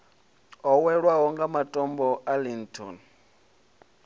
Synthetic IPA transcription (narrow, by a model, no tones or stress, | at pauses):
ɔwɛɺwaɦɔŋɡamatʼɔmbɔʔalintʰʼɔ̰n